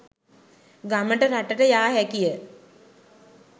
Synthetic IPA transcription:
ɡaməʈəɾaʈəʈəjaːɦækijə

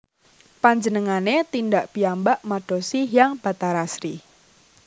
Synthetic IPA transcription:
paɲd͡ʒənəŋanet̪indaʔpiambaʔmaɖ̥ɔ̤siɦjaŋb̥a̤t̪aɾasɾi

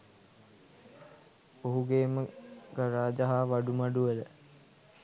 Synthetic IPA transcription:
oɦuɡeːməɡəɾaːd͡ʒaɦaːʋaɖumaɖuʋələ

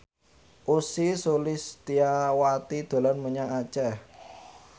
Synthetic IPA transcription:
ʔusisulɪst̪iawat̪id̪̥o̤lanmuɲaŋat͡ʃɛh

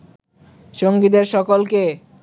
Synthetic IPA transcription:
ʃoŋɡid̪eɾʃɔkolke

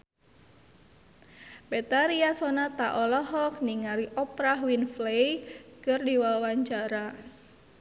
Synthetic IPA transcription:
bet̪aɾiasɔnat̪aʔɔlɔɦɔk̚niŋaɾiʔɔpɾaɦwinflejkɨrdiwawaɲt͡ʃaɾa

